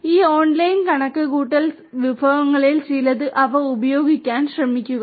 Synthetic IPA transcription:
iːoːnlɐjnkɐɳɐkːɨkuːʈːɐls | ʋibʱɐʋɐŋːɐɭilt͡ɕejlɐðɨʔɐʋɐubɐjo̞ːɡikʲːaːnɕrɐmikʲːuɣɐ

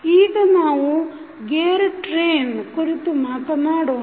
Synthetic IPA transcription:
iːɡɐnaːʋu | ɡeːɾʈɾeːnkuɾit̪umaːt̪ɐnaːɽoː

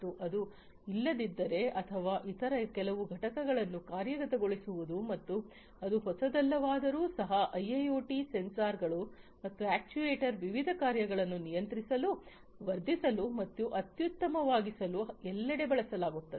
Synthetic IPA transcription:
uʔɐd̪u | ilːɐd̪id̪ːɐɾe̞ɐt̪ʰɐʋaːʔit̪ɐɾɐkɛlɐʋuɡʱɐʈɐkɐɡɐɭɐnːukaːɾjɐɡɐt̪ɐɡo̞ɭisuʋud̪umɐt̪ːu | ɐd̪uɦɔsɐd̪ɐlːɐʋaːd̪ɐɾuːsɐɦɐʔɐjːɐjoːʈisensaːɾɡɐɭumɐt̪ːuæːk̚t͡ʃueːʈɐɾʋiʋid̪ʱɐkaːɾjɐɡɐɭɐnːunijɐnt̪ɾisɐlu | ʋɐɾd̪ːisɐlumɐt̪ːuʔɐt̪jut̪ːɐmɐʋaːɡisɐluɛlːɐɽe̞bɐɭɐsɐlaːɡut̪ːɐd̪e

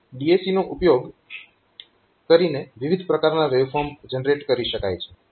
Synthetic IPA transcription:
ɖiesinoʔupjoɡ | kəɾineʋiʋid̪ʱpɾəkaɾnaʋeʋfɔɾmd͡ʒənɾeʈkəɾiʃəka̰jt͡ʃʰe̥

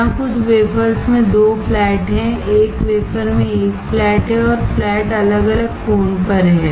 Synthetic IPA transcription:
ãkʊt͡ʃʰʋeːpəɾsmẽd̪oːpʰlɛːʈɦɛ̃eːkʋeːpʰəɾmẽeːkflɛːʈɦɛ̃ɔːɾplɛːʈɐləɡɐləɡfoːnpəɾɦɛ̃ː

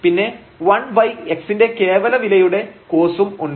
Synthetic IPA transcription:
pinːe̞ | ʋɐɳbɐjkeksinde̞ke̞ːʋɐlɐʋilɐjuɽe̞koːsumuɳɖ

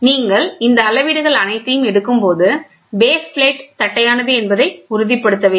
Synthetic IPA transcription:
niːŋɡɐɭɪnd̪ɐːlɐʋiːɽɯɣɐɭɐnɐɪt̪ːɐjɯmɛɽɯkːɯmpoːðɯ | beːsplɐːʈt̪ɐʈːɐjaːnɐðɯɛnbɐðɐɪʊɾʊðɪpːɐɽɯt̪ːɐʋeː

